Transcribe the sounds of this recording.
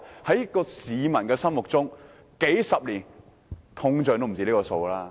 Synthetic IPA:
hɐ˨˥jɐ˥kːɔː˧siː˨˧mɐ˨˩nkɛː˧sɐ˥nmʊ˨k̚t͡sʊ˥ŋ | ke˨˥jsɐ˨p̚liː˨˩n | t̪ʰʊ˧ŋt͡ʃœː˨˧t̪m˨˩t͡siː˧liː˥kɔː˧so˧wlaː˧

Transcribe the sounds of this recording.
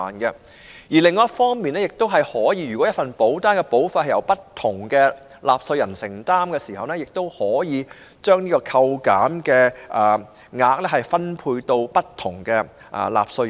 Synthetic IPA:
aː˨˩nkɛ˧ | jiː˨˩lɪ˨˧ŋːɔ˨˦jɐ˥tfɔː˥ŋmiː˨nɛː˥jɪ˨k̚t̪o˥wɦɐ˨jhɔː˨˥jiː˧ɥy˨kwɔ˨˥jɐ˥tfɐ˨npo˨˥wt̪aː˥nkɛ˧po˨˥wfa˨˧thɐ˨jɐ˨˧wpɐ˥tt̪ʰːʊ˨˩ŋkɛː˧ | lʔaː˨p̚sɵ˧ɥjɐ˨˩nsɪ˨˩ŋt̪aː˥mkɛː˧siː˨˩hɐ˨wnɛː˥jɪ˨k̚t̪o˥whɔː˨˥jiː˨˧ | t͡ʃœː˥ŋniː˥kɔː˧kʰɐ˧wkaː˨˥mkɛː˧ʔɐː˨˩ | ŋaː˧k̚lɛː˥ɦɐ˨jfɐ˥npʰuː˧jt̪o˧wpɐ˥tt̪ʰʊ˨˩ŋkɛː˧ | ʔɐ̰˨˩la̰ː˨p̚sɵ˧

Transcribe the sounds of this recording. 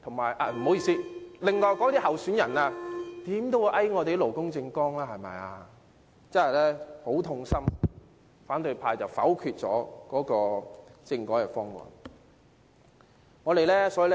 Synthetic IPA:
t̪ʰʊ˨˩ŋmaː˨˩jʔaː˧m̩˨˩ɦo˨˥wji˨siː˥˩lɪ˨ŋːɔː˧jkɔː˨˥˦t̪iː˥hɐ˨wsyː˨˥njɐ˨˩naː˧t̪iː˨˥mt̪o˥wu˨˧ʔɐ˥jŋɔː˨˧t̪e˨jlo˨˩wkʊ˥ŋt͡sɪ˧ŋkɔː˥ŋlaː˧˥hɐ˨˩jmɐ̰˨˩ja̰ː˧ | t͡sɐ˥nhɐ˨˩jlɛː˥ho˨˥wt̪ʰʊ˧ŋsɐ˥m | faː˨˥nt̪ɵ˧jpʰaː˧jt͡sɐ˨wfɐ̰˨˥wkʰyː˧t̚t͡sɔ̰ː˨˥kɔː˨˥kɔː˧t͡sɪ˧ŋkɔː˨˥kɛː˧˥fɔː˥ŋŋɔ̰ː˨n | ŋɔː˨˧ɾe˨jlɛː˥sɔː˨˥iː˨˧l

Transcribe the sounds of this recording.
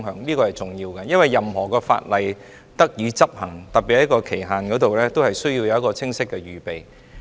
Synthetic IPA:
ŋɦœː˨˥ŋniː˥kɔː˧hɐ˨jt͡sʊ˨ŋjiː˧wkɛ˧jɐ˥nwɐ˨˩jːɐ˨mɦɔː˨˩kɔː˧fa̰ː˧t̚lɐ˨j | t̪ɐ˥k̚jiː˨˧t͡sɐ˥p̚hɐ˨˩ŋt̪ɐ˨t̚pːi˨hɐ˨˥jkɔː˧kʰe˨˩jɦaː˨nkɔː˨˥t̪o˨wlɛː˥t̪o˥whɐ˨jsɵ˥ɥji˧wjɐ˨wɐ˥kɔː˧t͡sʰɪ˥ŋsɪ˥kːɛː˧ɥyː˨pe˨j

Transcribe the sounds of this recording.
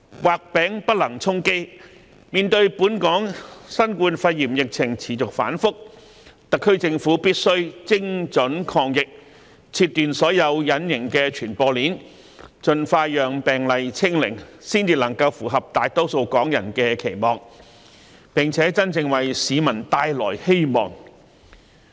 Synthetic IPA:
waː˨k̚pɛː˨˥ŋpɐ˥t̚lɐ˨˩ŋt͡sʰʊ˥ŋke˥j | miː˨nt̪ɵ˧ɥpuː˨˥nkɔː˨˥ŋsɐ˥nkuː˧nfɐ˧jjiː˨˩mjɪ˨k̚t͡sʰɪ˨˩ŋt͡sʰiː˨˩t͡sʊ˨k̚faː˨˥nfʊ˥k̚ | t̪ɐ˨kʰːɵ˥t͡sɪ˧ŋfuː˨˥piː˥t̚sɵ˥ɥt͡sɪ˥ŋt͡sɵ˨˥nkʰɔː˧ŋjɪ˨k̚ | t͡sʰiː˧t̪ːyː˨nsɔː˨˥jɐ˨˧wjɐ˨˥njɪ˨˩ŋkɛː˧t͡ʃʰyː˨˩npɔː˧liː˨˥n | t͡ʃɵ˨nfaː˧jœː˨ŋpɛː˨˩ŋlɐ˨jt͡sʰɪ˥ŋlɪ̰˨˩ŋsiː˥nt͡siː˧lɐ˨˩ŋkɐ˧wfuː˨˩ɦɐ˨p̚t̪aː˨˧jt̪o˥wso˧wkɔː˨˥ŋjɐ˨˩nkɛː˧kʰe˨˩jmɔː˨ŋ | pɪ˨ŋt͡sʰɛː˨˥t͡sɐ˥nt͡sɪ˧ŋwɐ˨jsiː˨˧mɐ˨˩nt̪aː˧jlɔː˨˩jhe˥jmɔ̰ː˨˩ŋ

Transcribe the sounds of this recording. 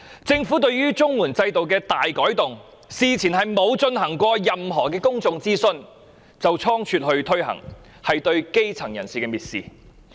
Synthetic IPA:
t͡sɪ˧ŋfuː˨˥t̪ɵ˧ɥɥyː˥t͡sʊ˥ŋwuː˨˩nt͡sɐ˧jt̪o˨wkɛː˧t̪aː˨jkɔː˨˥jt̪ʊ˨ŋ | siː˨t͡sʰiː˨˩nɦɐ˨jmo˨˧wt͡sɵ˧nɦɐ˨˩ŋkʷɔː˧jɐ˨mɦɔː˨˩kɛː˧kʊ˥ŋt͡sʊ˧ŋt͡siː˥sɵ˧n | t͡sɐ˨wt͡sʰɔː˥ŋt͡ʃʰyː˧t̚hɵ˧ɥt̪ʰɵ˥ɥɦɐ̰˨˩ŋ | hɐ˨jt̪ɵ˧ɥke˥jt͡sʰɐ˨˩ŋjɐ˨˩nsiː˨˩kɛː˧miː˨t̚sḭː˨˩

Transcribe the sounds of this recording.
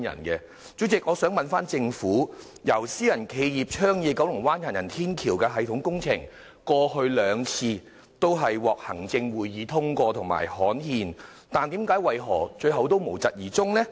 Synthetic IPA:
jɐ̰˨˩nkɛ˧ | t͡so˨˥t͡sɪ˨k̚ŋɔː˨˧sœː˨˥ŋmɐ˨nfaː˥nt͡sɪ˧ŋfuː˨˥ | jɐ˨˩wsiː˥jɐ˨˩nkʰe˨˧jjiː˨p̚t͡ʃʰœː˥ŋjɛː˨˧kɐ˨˥wlʊ˨˩ŋwaː˥njaː˨˩njɐ˨˩nt̪ʰiː˥nkʰiː˨˩wkɛː˧ɦɐ˨˧jt̪ʰʊ˨˥ŋkʊ˥ŋt͡sʰɪ̰˨˩ŋ | kɔː˧hɵ˧ɥlœː˨˧ŋt͡sʰiː˧ | t̪o˥wɦɐ˨jwɔː˨k̚hɐ˨˩ŋt͡sɪ˧ŋwuː˨˩jːiː˨˧t̪ʰʊ˥ŋkʷɔː˧t̪ʰʊ˨˩ŋma̰ː˨˩jhɔː˨˥nhiː˧n | t̪aː˨nt̪i˨˥mkaː˨˥jwɐ˨jɦɔː˨˩t͡ʃɵ˧ɥɦɐ˨˧wt̪o˥wmo˨˩wt͡sɐ˨t̚jiː˨˩t͡sʊ˥ŋnɛ˥

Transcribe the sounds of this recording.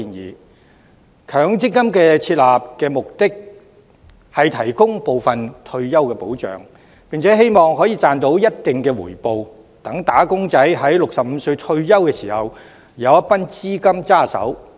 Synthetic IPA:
i˧njḭː˨ | kʰœː˨˥ŋt͡sɪ˥kkɐ˥mkɛː˧t͡sʰiː˧t̚laː˨p̚kɛː˧mʊ˨k̚t̪ɪ˥k̚ | hɐ˨jt̪ʰɐ˨˩jkʊ˥ŋpo˨wfɐ˨nt̪ʰɵ˧ɥjɐ˥wkɛː˧po˨˥wt͡ʃœ̰ː˨ŋ | pi˨ŋt͡sʰɛː˨˥ɦe˥jmɔː˨ŋɦɔː˨˥jiː˨˧t͡saː˨nt̪o˨˥wjɐ˥t̚t̪ɪ˨ŋkɛː˧wṵː˨˩jpo˨w | t̪ɐ˨˥ŋt̪aː˨˥kʊ˥ŋt͡sɐ˨˥jɦɐ˨˥jlʊ˨k̚sɐ˨p̚m̩˨˧sɵ˧ɥt̪ʰɵ˧ɥjɐ˥wkɛː˧siː˨˩hɐ˨w | jɐ˨˧wjɐ˥t̚pa˥nt͡siː˥kɐ˥mt͡saː˥˩sɐ̰˨˥w

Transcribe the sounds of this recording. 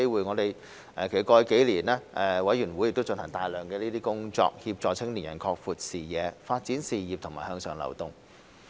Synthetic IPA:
e˥jwuː˨˩jŋɔː˨˧t̪e˨j | ʔɛː˨kʰe˨˩˨kɔː˧jke˨˥jliː˨˩nɛː˥ʔɛː˨wɐ˨˥jɥyː˨˩nwu˨˥jɪ˨k̚t̪o˥wt͡sɵ˧nhɐ˨˩ŋt̪aː˧jlœː˨ŋkɛː˧liː˥iː˥kʊ˥ŋt͡sɔ̰ː˧k̚hi˧p̚t͡sɔː˧t͡sʰɪ˥ŋli˨˩njɐ̰˨˩nkʰɔː˧k̚fuː˨˧t̚siː˨jɛː˨˧faː˧t̚t͡siː˨˥nsiː˨jiː˨p̚t̪ʰʊ˨˩ŋmaː˨jhœː˥ŋsœː˨ŋlɐ̰˨˩wt̪ʊ˨ŋ

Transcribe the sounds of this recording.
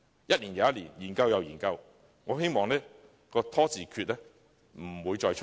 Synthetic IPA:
jɐ˥t̚liː˨˩njaː˨˦jɐ˥t̚liː˨˩njiː˨˩nkɐ˧wjɐ˨˧wjiː˨˩nkɐ˧w | ŋɔː˨˧ɦe˥jmɔː˨ŋlɛː˥ | kɔː˧t̪ʰɔː˥t͡siː˨kʰyː˧t̚lɛː˥ | m̩˨˩wuː˨˧jt͡ʃɔː˧jt͡ʃʰ

